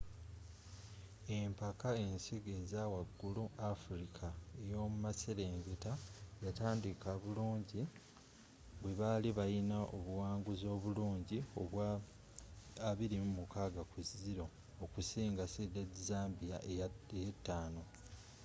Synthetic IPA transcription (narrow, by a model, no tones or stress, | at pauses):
e̞mpakae̞nsiɡe̞zaːwaɡːuluafuɾikʰaejo̞ːmumaseɾeːŋɡetajataːndikaβuluːɲɟi | βwe̞βaliβajinaʔo̰βuwaːŋɡuzo̞ːβuluːɲɟioβwa | aβiɾimumukaːɡakuziɾo̞ː | kusiːŋɡasedezaːmbija̰ʔejetːaːno̞